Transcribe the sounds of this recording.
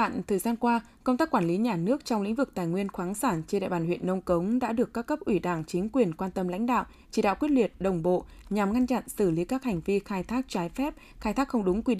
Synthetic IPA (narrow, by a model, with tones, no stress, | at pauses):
ɓa̰ː˧˨nt̪ʰəː˨˩jzaː˧nkwaː˧ | kə˧wŋ͡mt̪aː˦˥kːwaː˧˩nli˨˦ɲaː˨˩nɨ˦˥ək̚t͡ɕɔ˧wŋ͡mlḭ̈˧˥ŋ̟vɨ˨˩k̚t̪aː˨˩jŋwi˧ənxwaː˨˦ŋsaː˧˩nt͡ɕe˧nɗa̰˧˨jɓaː˧˩nhwḭ˧˨ənːə˧wkə˨˦wŋ͡mɗa̰ː˧˥ɗɨ˨˩əkːaː˦˥kːə˦˥p̚ʔwi˧˩ɗaː˧˩ŋt͡ɕï˨˦ŋ̟kwi˨˩ənkwaː˧nt̪ə˧mla̰˧˥jŋ̟ɗa̰ː˧˨w | t͡ɕi˧˩ɗa̰˧˨kwət̚lwi˨˩ət̚ɗə˨˩wŋ͡mɓo̰˧˨ɲa˨˩mŋa˧nt͡ɕa̰˧˨nsɨ˧˩li˨˦kaː˦˥k̚ha˨˩jŋ̟vi˧xaː˧jt̪ʰaː˦˥k̚t͡ɕaː˨˦jfɛ˦˥p̚ | xaː˧jt̪ʰaː˦˥k̚xə˧wŋ͡mɗʊ˨˦ŋ͡mkwi˧